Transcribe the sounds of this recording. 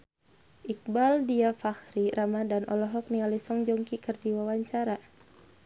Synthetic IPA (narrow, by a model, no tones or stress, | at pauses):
ʔik̚baldiafaxɾiɾʔamadanʔɔ̰lɔɦɔk̚nialisɔŋd͡ʒɔŋkikərdiwawaɲt͡ʃaɾa